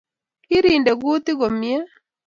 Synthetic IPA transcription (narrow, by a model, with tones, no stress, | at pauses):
kɪ˦ɾi˨nde˨ɡu˦t̪ɪ˦ɡo˨mjɛ˦